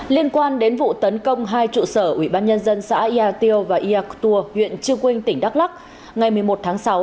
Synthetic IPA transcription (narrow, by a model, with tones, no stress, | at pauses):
li˧ənkwaː˧nɗe˨˦nvṵ˧˨t̪ə˨˦nkə˧wŋ͡mɦaː˧jt͡ɕṵ˧˨səː˧˩ʔwi˧˩ɓaː˧nɲə˧nzə˧nsa̰ː˧˥ʔi˧ʔaː˧t̪i˧ə˧wvaː˨˩ʔi˧ʔaː˧kt̪u˧əhwḭ˧˨ənt͡ɕɨ˧əŋkwï˧ŋ̟t̪ï˧˩ŋ̟ɗa˦˥k̚la˦˥k̚ | ŋa˨˩jmɨ˨˩əjmo˨˩t̚t̪ʰaː˨˦ŋsa˨˦w